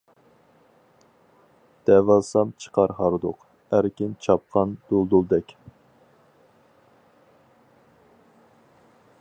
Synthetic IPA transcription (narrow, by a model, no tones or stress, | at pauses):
d̪̥ɛvɑsɑmt͡ʃʰə̥qʰɑɾhɑɾd̪ʊq | æɾkʲint͡ʃʰɑp̚qʰɑnd̪̥olˠd̪ulˠd̪ɛkʲ